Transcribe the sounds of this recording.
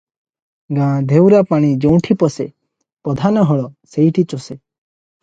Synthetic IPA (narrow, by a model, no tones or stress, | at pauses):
ɡãd̪ʱewɾapaɽ̃id͡ʒew̃ʈʰipɔse | pɾɔd̪ʱanɔɦɔɭɔseiʈʰit͡ʃɔse